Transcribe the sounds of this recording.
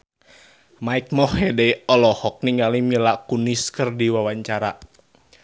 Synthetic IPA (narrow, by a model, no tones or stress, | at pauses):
maik̚mɔhɛdejɔlɔhɔk̚niŋɡalimilakuniskɨrdiwawaɲt͡ʃaɾa